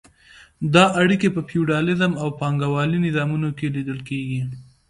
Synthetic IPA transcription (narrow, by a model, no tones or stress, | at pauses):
d̪ɑʔaɽikepəpjuɖɑlɪzəmawpɑŋɡawɑlinɪzɑmunokelid̪əlkeɡi